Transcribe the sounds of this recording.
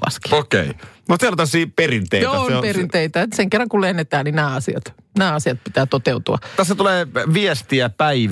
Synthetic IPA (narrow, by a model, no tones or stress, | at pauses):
ɑ̰ski̥okḛinosilt̪æsiːperint̪ḛoperint̪eit̪æseŋkerːɑŋkullehnet̪æːnninæːɑsiɑ̰t̪ | næːɑsiɑt̪̚pit̪æːt̪ot̪eut̪uɑ̰t̪æsːæt̪uleːʋiɛst̪iæpæiʋ